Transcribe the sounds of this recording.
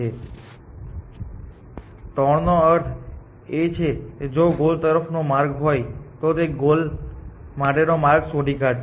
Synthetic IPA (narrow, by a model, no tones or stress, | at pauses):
e | t̪ɔɽnoəɾt̪ʰ | et͡ʃʰeked͡ʒoɡolt̪əɾəpʰnomaɾɡɦojt̪ot̪eɡol | maʈenomaɾɡsoɖikəɾ